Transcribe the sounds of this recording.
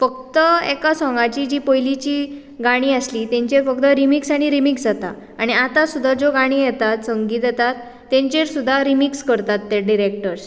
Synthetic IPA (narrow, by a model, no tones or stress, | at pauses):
fək̚t̪əḛkasɔ̃ŋɡat͡ɕiːd͡ʑiːpojlit͡ɕiː | ɡaɽ̃iːəslit̪ẽɲt͡ɕeɾfək̚t̪əɾimiksaɽ̃iɾimiksd͡zat̪a̰ | aɽ̃iat̪asud̪ʱːad͡zoɡaɽ̃iːjɛt̪at̪səŋɡiːt̪jɛt̪at̪ː | ẽɲt͡ɕeɾsud̪ʱːaɾimikskəɾt̪at̪ːeɖiɾek̚ʈəɾs